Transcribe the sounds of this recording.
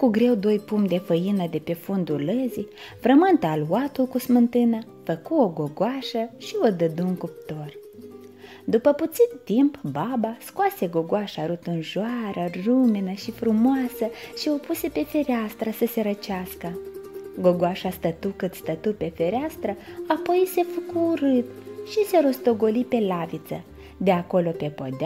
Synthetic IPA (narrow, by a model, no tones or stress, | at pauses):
kuɡɾe̞wd̪o̞jpumd̪e̞fəjinəd̪e̞pe̞fund̪uləzi | fɾəmɨnt̪əalat̪ulkusmɨnt̪ɨnəfəkuoɡo̞ɡoaʃəʃiod̪əd̪uŋkup̚t̪o̞r | d̪upəput̪sit̪t̪impbabaskoase̞ɡo̞ɡoaʃaɾut̪ɨnʒoaɾəruminəʃifɾumoasəʃio̞puse̞pe̞fe̞ɾeast̪ɾəsəse̞ɾət͡ʃaskəɡo̞ɡoaʃast̪ət̪ukɨt̪st̪ət̪upe̞fe̞ɾeast̪ɾəapo̞jse̞fəkuːɾɨt̪ʃise̞ɾo̞st̪o̞ɡo̞lipe̞lavit̪sə | d̪e̞ako̞lo̞pe̞po̰d̪a